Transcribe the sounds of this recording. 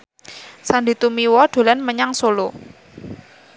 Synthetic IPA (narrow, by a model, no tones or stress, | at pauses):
sand̪i̤t̪umiwɔɖ̥o̤lanməɲaŋsolo